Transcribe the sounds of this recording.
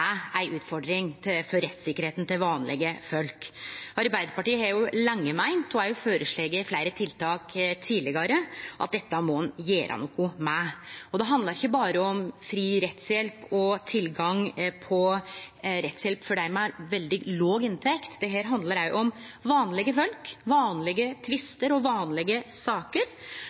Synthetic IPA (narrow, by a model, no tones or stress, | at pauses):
æɪʔʉːt̪fɔɖɾɪŋt̪ʰɪfɔɾːɛt̪sɪkːəɾheːt̪n̩t̪ɪlʋɑːnlɪ̰ɡəfœlkɑɾbæɪd̪əɾpɑʈiːəhɑɾjʊlɑŋːəmæɪnt̪ʰɔæɾjʊføːɾəʂɭeːɡəflæɪɾət̪ʰɪlt̪ʰɑːkt̪ʰiːlɪɡɑɾəʔɑ̰t̪̚d̪ɛt̪ːəmɔnjeːɾʔɑ̰nɔkːʊmæɔd̪ɛɦɑnd̪lɑɾɪçːəbɑːɾəɔmfɾiːɾɛt̪sjɛlpɔt̪ʰɪlɡɑŋpʰɔ | ɾɛt̪sjɛlpfɔɖæɪmɛæɾʋɛld̪ɪloːɡɪnt̪ʰɛkt̪d̪ɛɦæːɾɦɑnd̪ləɾæɪʔɔm | ʋɑːnlɪɡəfœlkʋɑːnlɪɡət̪ʰʋɪst̪əɾɔʋɑːnlɪɡəsɑːkəɾ